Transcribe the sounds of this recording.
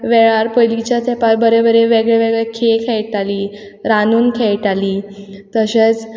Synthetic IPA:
ʋeɭaɾpəjlit͡ɕjat̪ʰɛpaɾbəɾebəɾeʋeɡɭeʋeɡɭekʰekʰɛjʈali | ɾanuːnkʰejʈaliːt̪əɕet͡s

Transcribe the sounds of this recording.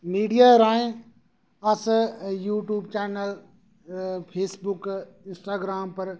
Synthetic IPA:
miːɖijaːɾaːẽ | ɐsjuːʈjuːbt͡ʃɛːnəl | pʰeːsbʊk | ɪ̃nsʈaːɡɾaːmpɐɾ

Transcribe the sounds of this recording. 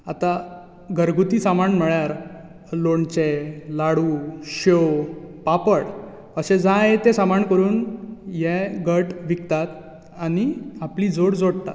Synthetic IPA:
at̪a | ɡʱəɾɡut̪iːsamaɳm̤əɭjaɾ | loɳt͡ɕelaɽuɕowpapəɽ | əɕẽd͡zãjet̪ẽsamaɳkəɾuːnjɛɡʱəɾʈʋikt̪at̪ | aniapliːd͡zoɽd͡zoɽt̪a̰t̪

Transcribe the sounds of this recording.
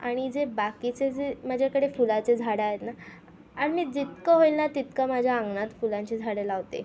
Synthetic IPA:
a̰ɽ̃id͡zebakit͡sed͡zemad͡ʑʱjakəɽefulat͡sed͡zʱaɽaɦet̪na | aɽmiːd͡zit̪kəɦoilnat̪it̪kamad͡ʑʱjaːŋɡnat̪fulãɲt͡ɕiːd͡zʱaɽelaʋt̪ḛ

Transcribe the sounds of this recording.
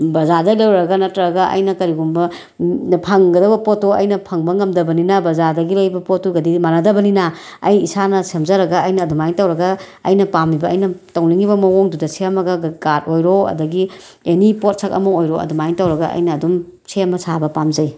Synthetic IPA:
bɐzadɐlɐwɾɐɡɐnɐtːɾɐɾɐɡɐʔɐ̰jnɐkɐɾiɡumbɐ | pʰɐŋɡɐdɐbɐpotːoɐ̰jnɐpʰɐŋbɐŋɐmdɐbɐninɐbɐzadɐɡilɐjbɐpotːuɡɐdimanɐdɐbɐninaɐjisanɐsemzɐɾɐɡɐɐjnɐːdumajŋtɐwɾɐɡɐ | ɐ̰jnɐpamibɐːjnɐtawliŋibɐmɐwoŋdudɐsemɐɡɐɡɡatojɾoɐ̰dɐɡi | enipot̚sʰɐk̚ɐ̰moŋojɾoɐ̰dumajŋtawɾɐɡɐ̰ʔɐ̰jnɐːdumsemɐsʰabɐpamzɐj

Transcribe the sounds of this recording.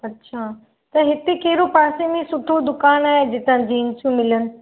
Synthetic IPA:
ɐtːɕʰaː | t̪ɐɦɪt̪ekɐɦɪɾopaːsemẽsʊʈʰod̪ʊkaːnaːɦed͡ʑɪt̪ə̃d͡ʑiːnsũmɪlənɪ̆

